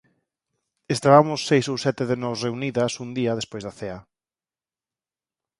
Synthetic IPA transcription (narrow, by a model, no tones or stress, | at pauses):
est̪aβamʊsːejsowsɛt̪ɪðenɔsreuniðɐsund̪iɐðespojzðaθea